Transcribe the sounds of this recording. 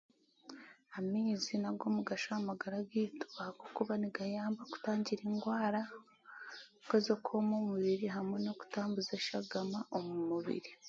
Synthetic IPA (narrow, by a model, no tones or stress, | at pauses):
amiːzinaɡo̞muɡaʃamaɡaɾaɡiːto̥akokuβaniɡajaːmbaku̥taːɲɟiɾeːŋɡwaːɾa | kezekʰoːmomuβiɾiɦamwe̞no̞ku̥taːmbuzeʃaɡamaʔomumuβḭɾi